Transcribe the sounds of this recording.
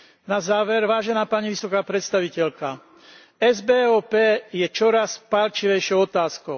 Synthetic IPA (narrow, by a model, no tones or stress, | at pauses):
nazaːʋɛɾʋaːʒɛnaːpaːɲiʋisɔkaːpɾɛt̪st̪aʋicɛlka | ɛzbɛːɔːpɛːjɛt͡ʃɔɾaspalt͡ʃiʋɛjʃɪɔʊɔt̪aːskɔʊ